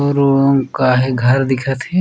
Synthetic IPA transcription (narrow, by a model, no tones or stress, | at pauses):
oɾoõkaɦeɡʱɐɾd̪ɪkʰət̪ɦɛ